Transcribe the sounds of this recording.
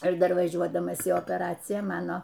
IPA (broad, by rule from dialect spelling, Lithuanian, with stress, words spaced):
ɪr dɐr ʋɐˈʒʲuɔdɐmɐs iː oːpʲɛˈrɑːt͡sʲɪjæː ˈmɑːnoː